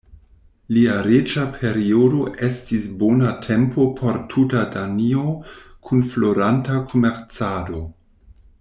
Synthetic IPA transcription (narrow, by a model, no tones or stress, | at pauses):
liaɾet͡ʃapʰe̞ɾiodo̞ʔe̞stisbonatʰe̞mpʰo̞pʰo̞ɾtʰutadaniokʰunflo̞ɾantakʰomeɾt͡sado̞